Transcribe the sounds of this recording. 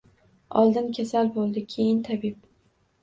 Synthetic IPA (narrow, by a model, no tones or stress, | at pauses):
ɒlˠd̪ɪnkʲʰasalbolˠd̪ɪkʲʰejɪnt̪ʰabɪp̚